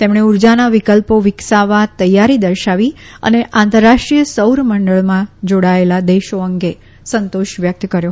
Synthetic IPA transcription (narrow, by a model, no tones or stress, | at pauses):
t̪emɳ̃euɾd͡ʒanaʋikəlpoʋɪksaʋat̪əjaɾid̪əɾʃaʋiə̰neʔãnt̪əɾːaʂʈɾijəsəwɾməɳɖəɭmãd͡ʒoɽaelad̪eʃoəŋɡe | sənt̪oʃʋjək̚t̪kəɾjo